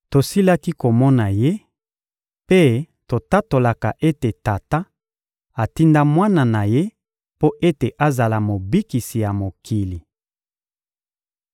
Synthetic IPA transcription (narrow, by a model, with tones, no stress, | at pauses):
to˨si˦la˦ki˦ko˨mɔ˦na˨je˦ | pe˦ | to˨ta˦to˨la˨ka˨ʔe˦te˨ta˨ta˦ | a˨ti˦nda˦mwa˦na˨na˨je˦ | po˦ʔe˦te˨ʔa˦za˨la˨mo˨bi˦ki˨si˨ja˨mo˨kʰi˨li˨